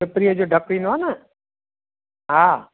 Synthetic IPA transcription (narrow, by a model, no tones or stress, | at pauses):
epɾijəd͡ʒoːɖʱəkɾiːnʋanə | ɦaː